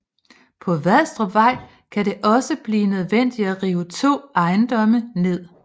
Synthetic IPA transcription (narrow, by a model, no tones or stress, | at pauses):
pʰɒ̽ʋæsd̥ʁɐʋɑ̈ɪ̰ | kʰæɾe̝ʔɒ̽səb̥liːnøð̞ˠʋen̰d̥iæʁiːʊət͡sʰo̝̰ːɑ̈ɪnd̥ɒ̽məne̝ð̞̰ˠ